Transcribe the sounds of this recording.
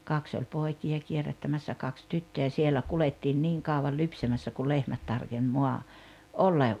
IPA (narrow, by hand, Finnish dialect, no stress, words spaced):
kɑks olʲ poˑikiɑ kierætːæmæsːæ kɑks tytːøjæ sielæ kuletːiːn niːŋ kɑˑuʋɑl lypsæmæsːæ ku lehmæt tɑrkenʲ moɑ olːɑ